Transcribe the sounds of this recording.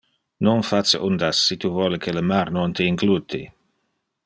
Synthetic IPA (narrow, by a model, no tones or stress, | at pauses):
nɔnfat͡səʔund̪asːit̪uvɔləkʰeləmaɾnɔnt̪əiŋɡlut̪i